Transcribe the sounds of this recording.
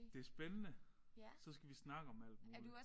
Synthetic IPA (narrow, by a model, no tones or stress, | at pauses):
d̥e̝æɐsb̥enənə | sɒ̽sɡ̥æʋisnɑ̈ɡ̥əɒ̽mæl̰d̥mo̝l